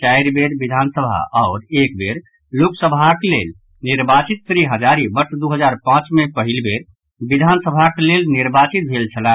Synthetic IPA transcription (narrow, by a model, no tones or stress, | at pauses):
t͡ʃajɾbeɾbid̪ʱansəbʱa̰ʔɔʊɾekbeɾ | loksəbʱaklel | niɾbat͡ʃit̪̚fɾiɦəd͡ʒaɾibəʈd̪uɦəd͡ʒaɾpãt͡ʃmepəɦilbeɾ | bid̪ʱansəbʱaklelniɾbat͡ʃit̪̚bʱelt͡ʃʰəlan